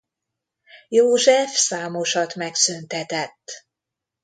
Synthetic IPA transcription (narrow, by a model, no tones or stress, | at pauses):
joːʒɛfsaːmoʃɒt̪mɛksynt̪ɛt̪ɛt̪ː